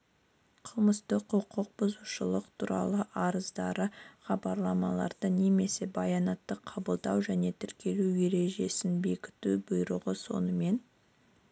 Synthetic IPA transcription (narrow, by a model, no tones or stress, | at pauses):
qʰəlˠməst̪əqʰʊqʰʊq̚bʊzuʃəlˠəqt̪ʰuɾɑ̰lˠəʔɑɾəzd̪ɑɾəχɑbɑɾlˠɑmɑlˠɑ̰ɾd̪̥əne̞me̞se̞bɑjɑnɑt̪ːəqʰɑbəlˠd̪ɑwʒæne̞t̪ʰʏɾkʲe̞luwje̞ɾe̞ʒe̞sɪnbe̞kʲɪ̥t̪ubʊjɾʊʁəso̞̰nəme̞n